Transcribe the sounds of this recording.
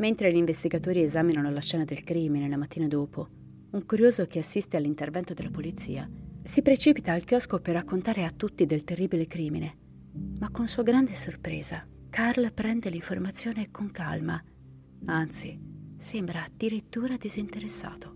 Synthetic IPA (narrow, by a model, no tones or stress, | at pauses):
ment̪ɾeʎiɱvest̪iɡat̪oːɾiezaːminanolaʃɛːnad̪elkɾiːminelamat̪ːiːnad̪oːpo | uŋkuɾjoːzok̟easːist̪ealːint̪ervɛnt̪od̪elːapolit̪sḭːasipɾet͡ʃiːpit̪aːlk̟jɔskoperːakːont̪aːɾeat̪ːut̪ːid̪elt̪erːiːbilekɾiːmine | makːonsuːaɡɾand̪esorpɾḛːza | karlpɾɛnd̪eliɱformat̪sːjoːnekʰoŋka̰lma | ant̪sisembɾad̪̥iɾit̪ːuːɾad̪izint̪eɾesːa̰ːt̪o